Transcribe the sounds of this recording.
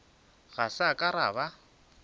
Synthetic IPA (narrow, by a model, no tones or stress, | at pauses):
ɣasakʼaɾa̰βa